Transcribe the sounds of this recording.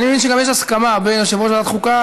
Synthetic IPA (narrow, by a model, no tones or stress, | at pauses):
nimevinʃ̬eɡamjeʃaskamabenaʃevʁotbeat̪χuka